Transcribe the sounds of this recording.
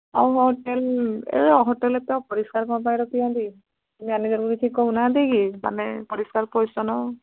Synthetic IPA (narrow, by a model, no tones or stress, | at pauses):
awɦɔtɛlɛ̰ɔɦɔtɛlɛtɛwpɔɹiskaɹkɔp̬ajɾɔkijadi | tumianizɔɹbuɹikʰikɔunadiɡima̰nɛpɔɹiskaɹpɔjsɔnɔ